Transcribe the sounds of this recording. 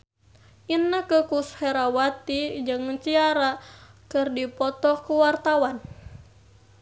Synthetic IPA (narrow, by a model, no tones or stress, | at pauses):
ʔinːəkəkusheɾawat̪id͡ʒɨŋt͡ʃiaɾakɨrdipɔt̪ɔkuwart̪awan